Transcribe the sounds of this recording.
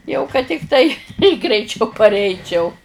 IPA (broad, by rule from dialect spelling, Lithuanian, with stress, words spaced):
jɛʊ kɐt tʲɪkˈtɐɪ ɡrʲɛɪˈt͡ʃʲɛʊ pɐrʲˈɛɪt͡ʃʲɛʊ